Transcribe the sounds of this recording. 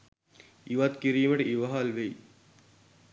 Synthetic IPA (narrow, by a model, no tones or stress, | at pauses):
iʋat̪kiɾiːməʈəʔiʋɐɦalʋej